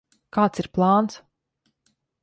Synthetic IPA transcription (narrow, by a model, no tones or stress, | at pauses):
kaːt̪siɾplˠɑːnt̪s